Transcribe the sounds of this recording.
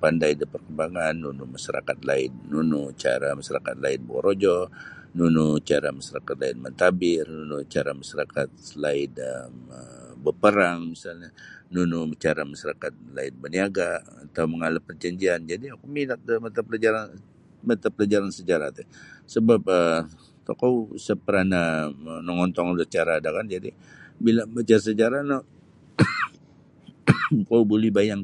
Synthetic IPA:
pandajdəpərkəmbaŋanːunumaʃsaɾa̰kat̪̚laɪnːunut͡ʃa̰ɾamaʃaɾakat̪̚laɪnbo̰ɾod͡ʒɔnunut͡ʃaɾamasaɾakat̪̚laɪnmənt̪abɪrnunut͡ʃaɾamaʃaɾakat̪̚laɪnəməbəpəɾaŋmisalɲanunʊt͡ʃaɾamaʃaɾakat̪̚laɪnbəniaɡaat̪awməŋalapərd͡ʒaɲd͡ʒiand͡ʒadiakuminak̚əmət̪aplad͡ʒaɾan | mət̪apəlad͡ʒaɾansəd͡ʒaɾa̰t̪ɛsəbap̚ə | t̪ɔ̰kawsəpəɾananɔŋɔnt̪ɔŋdəst͡ʃaɾaːdakand͡ʒadi | bilabat͡ʃaɾs̬əd͡ʒaɾano | kawbolɛhbajaŋ

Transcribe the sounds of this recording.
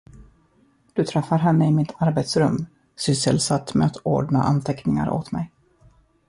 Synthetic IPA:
d̪̥ɵt̪ʰɾɛfːaɾɦɛnːəɪmɪt̪ʰaɾbet̪sɾɵmː | sʏsəlsat̪ːmɛat̪o̰ːɖɳa̰ʔa̰nt̪ʰɛknɪŋa̰ɾʔo̰ːt̪mɛ̰j

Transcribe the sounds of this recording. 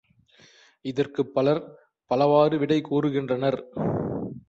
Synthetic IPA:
ɪðɐrkɯpːɐlɐɾ | pɐlɐʋaːɾɯʋɪɽɐɪkuːɾɯɣɪndrɐnɐɾ

